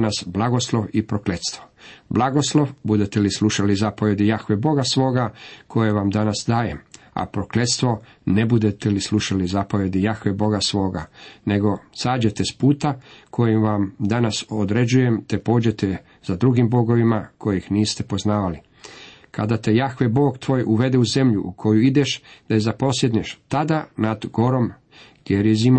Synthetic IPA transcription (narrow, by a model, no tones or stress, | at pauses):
nasblˠaɡo̞slˠoʋipɾokle̞t̪st̪ʋo̞blˠaɡo̞slˠo̞ʋbud̪e̞t̪elisluʃalizapoʋje̞d̪ijaxʋebo̞ɡasʋo̞ːɡakʰo̞jeʋamd̪anasd̪aːjema̰pɾokle̞t̪st̪ʋo̞ | nebud̪et̪elislˠuʃalizapoʋje̞d̪ijaxʋebo̞ɡasʋo̞ːɡane̞ɡo̞saːd͡ʑe̞t̪e̞spuːt̪akʰo̞jimʋamd̪anasod̪ɾe̞d͡ʑuje̞mt̪epo̞ːd͡ʑe̞t̪e | z̥ad̪ɾuɡimbo̞ɡo̞ʋimakʰo̞jixniːst̪e̞po̞znaːʋali | kʰad̪at̪ejaxʋebo̞ːɡt̪ʋo̞ːjʔuʋe̞d̪euze̞mʎuʔukʰo̞juid̪e̞ʃd̪̥aezapo̞sjed̪neʃt̪ad̪anad̪ɡo̞ɾo̞m | ɡ̥jeɾjezimo